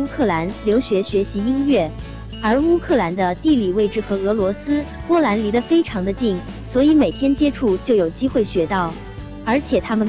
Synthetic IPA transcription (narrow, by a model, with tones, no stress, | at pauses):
u˥kʰɤ˥˩la˧˥nljo˧˥ʊɕɥɛ˧˥ɕɥɛ˧˥ɕi˧˥i˥nɥɛ˥˩ | ə˞˧˥u˥kʰɤ˥˩la˧˥nd̪ə˧t̪i˥˩li˨˩we˥˩ɪʈ͡ʂɻ̩˥˩xɤ˧˥ɤ˧˥lwɔ˧˥sɹ̩˥pwɔ˥la˧˥nli˧˥lə˧fe˥ɪʈ͡ʂʰɑ˧˥ŋd̪ə˧t͡ɕi˥˩ŋ | swɔ˧˥i˧˥me˨˩ɪt̪ʰjɛ˥nt͡ɕjɛ˥ʈ͡ʂʰu˥˩t͡ɕjo˥˩ʊjo˨˩ʊt͡ɕi˥xwe˥˩ɪɕɥɛ˧˥t̪ɑ˥˩ʊ | ə˞˧˥t͡ɕʰjɛ˨˩t̪ʰa˥mə˨n